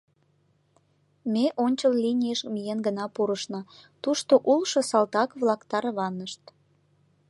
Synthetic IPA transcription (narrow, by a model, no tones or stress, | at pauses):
meʔonʲt͡ɕəllinʲijəʃmijenɡənɑpuɾəʃnɑt̪uʃt̪oʔulʃosɑlt̪ɑkβlɑkt̪ɑɾβɑnːəʃt̪